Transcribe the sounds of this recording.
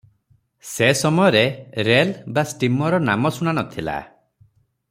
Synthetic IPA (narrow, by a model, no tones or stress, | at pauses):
sesɔmɔjɔɾeɾelbasʈimɔɾɔnamɔsuñanɔt̪ʰila̰